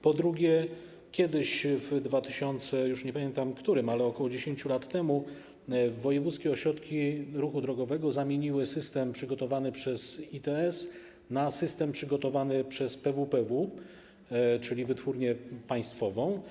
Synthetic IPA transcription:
pɔd̪ɾuɡʲjɛ | kʲjɛd̪ɘɕvd̪vat̪ɘ̥ɕɔnt̪sɛjuʂɲɛpamʲjɛnt̪amkt̪uɾɘmalɛɔkɔwɔd͡ʑeɕeɲt͡ɕulat̪ːɛmu | vːɔjɛvut̪skʲɛɔɕɾɔt̪kʲiɾuxud̪ɾɔɡɔvɛɡɔzamʲjeɲiwɘsɘst̪ɛmpʂɘɡɔt̪ɔvanɘpʂɛzit̪ɛɛs | nasɘst̪ɛmpʂɘɡɔt̪ɔvanɘpʂɛspɛvupɛvu | t͡ʂɘlʲivɘt̪fuɾɲɛpaj̃st̪fɔvɔ̃w̃

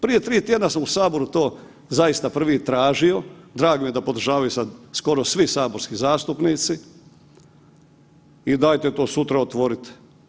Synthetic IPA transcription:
pɾije̞t̪ɾiːt̪jed̪nasamusaːbo̞ɾut̪oː | zajist̪apr̩ʋit̪ɾaːʒio̞d̪ɾaːɡomijed̪apo̞d̪ɾ̩ʒaːʋajusad̪sko̞ɾosʋisaːboɾskizaːst̪upniːt̪si | id̪ajt̪et̪o̞ːsut̪ɾaot̪ʋo̞ɾit̪

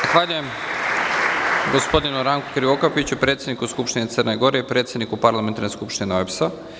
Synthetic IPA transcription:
axʋaːʎuje̞m | ɡospo̞d̪inuɾaŋkukɾiokapit͡ɕupɾe̞ːt̪sjed̪ikuskupʃt̪inet̪sərneɡo̞ɾeipɾe̞t̪sjed̪nikupaɾlˠament̪aɾneskupʃt̪innoepsa

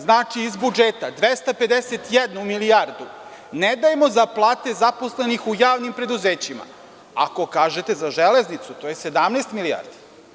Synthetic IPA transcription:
znaːt͡ʂiːzbud͡ʒeːt̪ad̪ʋest̪ape̞d̪eset̪jɛd̪numiliaɾd̪u | ned̪ajemo̞zaplˠaːt̪e̞zapo̞slenixujaːʋnimpɾe̞d̪uzeːt͡ɕima̰ | a̰ko̞kaːʒet̪e̞zaʒeleznit̪sut̪o̞jese̞d̪amnest̪milia̰ɾd̪i̥

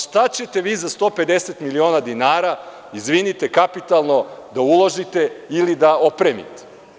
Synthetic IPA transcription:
ʃt̪at͡ɕet̪e̞ʋiːzast̪o̞ːpe̞d̪eset̪milio̞nad̪inaːɾa | izʋinit̪ekapit̪alˠno̞d̪aulˠoʒit̪e̞ilid̪ao̞pɾeːmḭt̪e̥

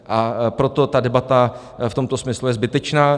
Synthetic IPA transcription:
ʔapɾo̞t̪o̞t̪adɛbat̪a | ft̪o̞mt̪o̞smɪslujɛzbɪt̪ɛt͡ʃnaː

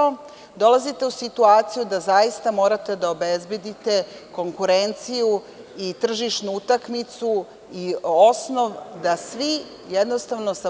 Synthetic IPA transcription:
d̪o̞lˠazit̪e̞usit̪uaːt̪sijud̪azajist̪amo̞ːɾat̪e̞d̪ao̞bezbje̞d̪it̪e̞ko̞ŋkuɾent̪siju | it̪r̩ʒiʃnuut̪akmit̪su | io̞sno̞ʋd̪asʋi | jed̪no̞st̪aʋnosa

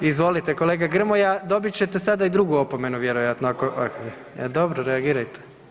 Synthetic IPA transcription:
izʋo̞lit̪eko̞leɡaɡr̩mojad̪o̞bit͡ɕet̪esad̪aid̪ɾuɡuo̞po̞me̞nuʋje̞ɾojat̪noakoʔakoi | ɛd̪obɾoɾeaɡiːɾajt̪e̥

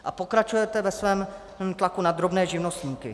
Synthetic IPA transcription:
ʔapo̞kɾat͡ʃujɛt̪ɛvɛsvɛːm | t̪lakunad̪ɾo̞bnɛːʒɪvno̞st̪ɲiːkɪ̰

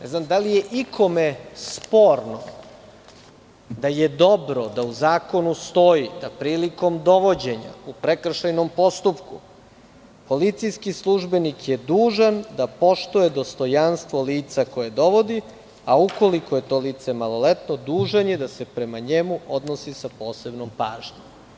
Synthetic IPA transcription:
nɛznamd̪alijeʔikʰo̞mespo̞ːɾno | d̪ajed̪o̞bɾo̞d̪auzaːko̞nust̪o̞jid̪apɾiːliko̞md̪o̞ʋo̞d͡ʑe̞ɲa̰upɾekr̩ʃajno̞mpo̞st̪upku | po̞lit̪sijskislˠuʒbe̞nikjed̪uːʒand̪apo̞ʃt̪uje̞d̪o̞st̪o̞janst̪ʋo̞liːt̪sako̞jed̪o̞ʋo̞d̪i | auko̞liko̞je̞t̪o̞liːt̪semalˠo̞let̪no̞d̪uːʒanjed̪ase̞pɾe̞maɲe̞muo̞d̪nosisapo̞ːse̞bnompaːʒɲem

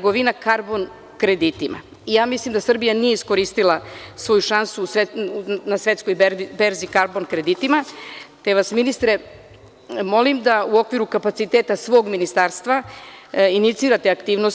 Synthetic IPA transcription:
ɡoʋinakaɾbo̞n | kɾe̞d̪it̪ima̰ | ijaːmislimd̪asr̩bijanijeisko̞ɾist̪ilasʋo̞juʃansusenasʋe̞t̪sko̞jbeɾibe̞ɾzikaɾbo̞nkɾe̞d̪it̪imat̪e̞ʋasminist̪ɾe̞ | mo̞limd̪auo̞kʋiɾukapat̪sit̪eːt̪asʋo̞ɡminist̪aɾst̪ʋa | init̪siːɾat̪e̞akt̪iːʋnos

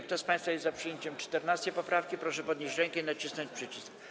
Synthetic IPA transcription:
k̚t̪ɔspãj̃st̪fajɛzzapʂɨjeɲt͡ɕɛmt͡ʂt̪ɛɾnast͡ɕɛpɔpɾafkʲipɾɔʂɛpɔd̪ɲeʑt͡ɕɾɛŋkɛinat͡ɕisnɔɲt͡ɕpʂɘt͡ɕisk

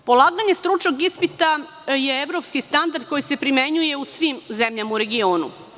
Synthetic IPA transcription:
po̞lˠaːɡaɲe̞st̪ɾut͡ʃnoɡispit̪a | jeeʋɾo̞pskist̪and̪aɾd̪̚ko̞jise̞pɾime̞ɲuje̞usʋimze̞mʎamauɾe̞ɡio̞ːnṵ

